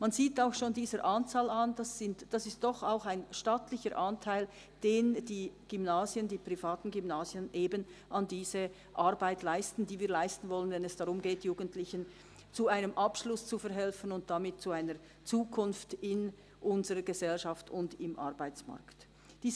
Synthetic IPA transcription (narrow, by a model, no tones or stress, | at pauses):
manziːtaʊxʃoːndiːzəɾʔant͡saːlandasɪntd̥asɪst̚d̥ɔχaʊxaɪnʃtaːtlɪçəɾʔantʰaɪl | d̥eːnd̥iːɡ̥ymnaːzjəndiːpʁ̥ifaːtn̩ɡymnaːzjənʔeːbənʔandiːz̥ə | ʔaʁbaɪtʰlaɪstn̩diːviːɐlaɪstn̩vɔlənvɛnɛsd̥aʁʊmɡeːtjuːɡən̩tlɪçən | t͡suaɪnəmʔapʃlʊst͡sufɛɾɦɛlfən̩ʊnt̚d̥amɪt̚t͡suaɪnə | t͡suːkʰʊnftɪn | ʔʊnzəʁəɡəzɛlʃaftʊndɪmʔa̰ʁbaɪt͡sma̰ɐkt | d̥iː